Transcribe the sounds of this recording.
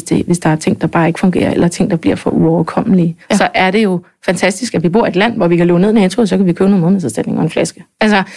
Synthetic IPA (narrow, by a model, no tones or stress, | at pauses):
sd̥e̝ʋe̝sd̥ɑ̈æɐt͡sʰe̝ŋ̰d̥ɑ̈b̥ɑ̈ːe̝ɡ̥ə̥fɔ̽ŋɡ̥e̝̰ːɐ̰elɐɐt͡sʰe̝ŋ̰d̥ɑ̈b̥liɐ̰fɒ̽ʔuɒʊɐkʰɒ̽m̰əlisɒ̽ʔæɐɾ̥e̝jo̝ | fænt͡sʰæsd̥isɡ̥æʋib̥o̝ɐ̰e̝dlæn̰ʋɒʋikæloːɡne̝̰meent͡sʰʁoðˠsɒkʰæʋikʰøːnoːnˠmoð̩ˠmeðˠæðˠsd̥æd̥ne̝ŋʔɒ̽enflæsɡ̥əʔælsɐ